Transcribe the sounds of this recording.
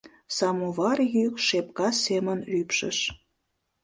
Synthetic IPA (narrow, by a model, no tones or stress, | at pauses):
sɑmuβɑrjykʃepkɑsemənlypʃə̰ʃ